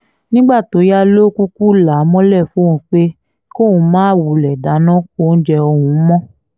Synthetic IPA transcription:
nĩ˦ɡ͡ba˦˨to˨˦ja˦lo˦ku˦ku˦la˨˦mɔ̃˦lɛ˦˨fũ˨˦˨k͡pe˦ | ko˦˨ũ˨˦mãː˦wu˨lɛ˨da˨˦nɔ̃˦ko˦n̩˦d͡ʒɛ˧o˧hũ˨˦mɔ̃˦

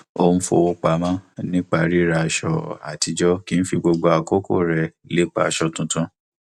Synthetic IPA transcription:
o˧m̩˦fo̰˧wo˧k͡pa˧mã˦nĩ˦k͡pa˧˨ɾi˦ɾa˧˨ʃɔ̰˧˨a̰˨ti˧d͡ʒɔ˦ki˦n̩˦fi˧ɡ͡bo˧ɡ͡bo˧a˨ko˦ko̰˦˨ɾɛ˨le˦k͡pa̰˧˦˧ʃɔ˧tũ˧tũ˦

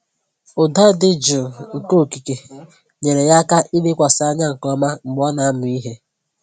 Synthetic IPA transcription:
ʊ˨da˦dɪ˦d͡ʒʊ˨ŋ̩˨ko˦˨ki˨ke˨ | ɲe˨ɾe˨ja˦ka˦ʔi˦le˦kʷa˨sɪ˨˦a˦ɲa˦ŋ̩˨kɔ˦ma˦ŋ͡m̩˨ɡ͡bɔ˦na˨a˦mʊ˨i˦ɦe˦

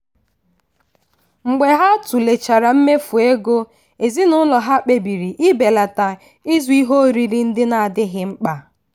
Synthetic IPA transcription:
ŋ͡m̩˨ɡ͡be˨ɦa˦tʊ˨le˨t͡ʃa˨ɾa˨m̩˦me˦fu˨e˦ɡo˦ | e˨zi˦nʊ˦lɔ˨ɦa˦k͡pe˨bi˨ɾi˨ʔi˦be˨la˨ta˨ | i˦zu˦i˦ɦo˦ɾi˨ɾi˦n̩˦dɪ˦na˨a˨dɪ˦ɦɪ˦ŋ͡m̩˦k͡pa˨

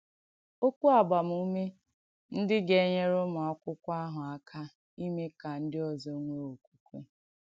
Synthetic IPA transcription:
o˦kʷu˦a˨ba˨m̩˨u˦me˦ | n̩˦dɪ˦ɡe˦˨˦ɲe˦ɾʊ˦mɔ˨ɔ˦kʷʊ˦kʷa˦ɦʊ˨a˦kʰa˦ | i˦me˦ka˨n̩˦dɪ˦ɔ˨zo˦ŋʷe˦o˨kʷu̥˨ku˦

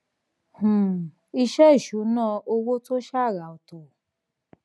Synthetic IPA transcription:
h̩˨ | i˧ʃɛ˦i˦˨ʃu˨˦nãː˦˧ʔo˧wo˦to˦ʃa˦˨ɾa˨o˨to˨

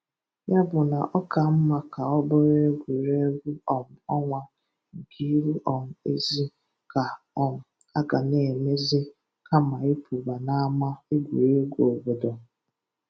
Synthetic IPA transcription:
ja˦bʊ˨na˨ʔɔ˦ka˨m̩˦ma˨ka˨ɔ˦bɔ˦ɾe˦ɡʷu˨ɾe˦ɡʷu˦ɔ˨m̩˨ɔ˦ŋʷa˨ | ɡi˦ɾu˦ʔɔ˨m̩˨ḛ˦zi˦ | ka˨ | ɔ˦ŋʊ˨ | a˦ɡa˨ne˨me˦zi˦ | ka˦ma˨e˦pʰu˨ba˨na˦ma˦e˦ɡʷu˨ɾe˦ɡʷo˨bo˨dɔ˨

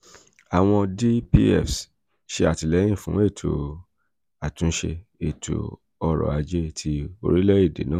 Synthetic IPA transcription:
a˨w̃ɔ̃˧di˦pi˧ɛ̰˦˨fs | ʃe˧a˨ti˨˧lɛ̃˨˦ĩ˦˨fũ˦e˦˨tʰo̰˨ | a˨tũ˨˦ʃe˧e˦˨tʰo̰˧ | ɔ˧ɾɔ̰˨a˧d͡ʒe˦tʰi˧o̰˧ɾi˦lɛ˦i˦˨dḛ˨˦nãː˦˨

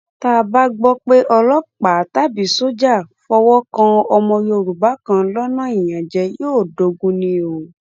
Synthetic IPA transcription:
ta˦˨ba˦ɡ͡bɔ˦k͡pe˦ʔɔ˧lɔ˦k͡pa˨ta˦˨bi˨so˦d͡ʒa˦˨fɔ˧wɔ˦kã˧ɔ˧mɔ̃˧jo˧˨ɾu˨ba˨˦kã˧˦lɔ˦nã˦ĩ˨jã˨d͡ʒɛ˧joː˦˨do˨˧ɡũ˧˦nĩ˧o˨

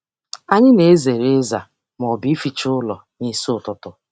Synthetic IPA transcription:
a˨ɲɪ˦ne˨e˦ze˨ɾe˦za˨ | m˨ɔ˨bi˨˦fi˨t͡ʃʊ˦lɔ˨ | ni˨sʊ˦˨tʊ˦tʊ˦

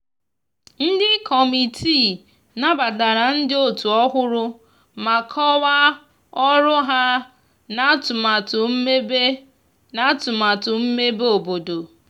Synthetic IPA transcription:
n̩˦dɪ˦kʰɔ˨mi˨tʰi˦˨ | na˦ba˨da˨ɾa˨n̩˦dɪ˦o˦tu˨ɔ˦ɦʊ˦ɾʊ˦ | ma˨kʰɔ˦wa˦ | ɔ˦ɾʊ˦ɦa˦ | na˦tʊ˨ma˨tʊ˨m̩˦me˦be˦ | na˦tʊ˨ma˨tʊ˨m̩˦me˦bo˨bo˨do˨

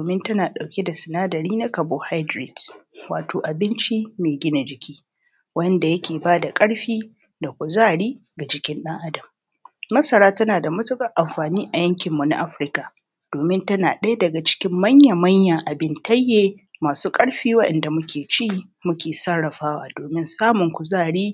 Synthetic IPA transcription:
oː˨mɪ˦ntɐ˦naː˨ɗa˨wkʲe˦da˨sɪ˨naː˦dɐ˨ɾiː˦na˦kɐ˨boː˦ha˦dɾɪ˨dwa̰ː˨tʰoː˨ʔa˨bɪ˦nt͡ʃi˦meː˨ɡʲɪ˦na˨d͡ʒɪ˨kʲiː˦ | wɐ˦nda˨jɐ˦kʲeː˨baː˦da˨kʼɐ˦ɽɸiː˦ | da˨kʷʊ˨zaː˦˨ɽiː˦ | ɡa˨d͡ʒɪ˦kʲɪ˦nɗɐ˦ŋʔa˦dɐ˨mː | ɐ˦sɐ˨ɾaː˦tɐ˦naː˨da˨mʊ˦tʊ˦kʼɐ˦ʔa˨mɸaː˨niː˦ʔa˨jɐ˦ŋkʲɪ˨mːu˨na̰˦ʔa˦ɸɾɪ˦ka˨ | d̥oː˨mɪ˦ntɐ˦naː˨ɗɐ˦ja˦dɐ˨ɡa˨t͡ʃɪ̥˦kʲɪ˦mːɐ˦ɲja˨mɐ˦ɲja˨ʔa˨bɪ˦ntɐ˦jːeː˨ | maː˨suː˦kʼɐ˦ɽɸiː˦wɐ˦ɗɛ̰˨nda˨mʊ˦kʲʰeː˨t͡ʃiː˦˨ | mʊ˦kʲeː˨sɐ˦ɽɽɐ˨ɸaː˦waː˨doː˨mɪ˦nsaː˦mʊ˨ŋkʷʊ˨zaː˦˨ɽiː˦

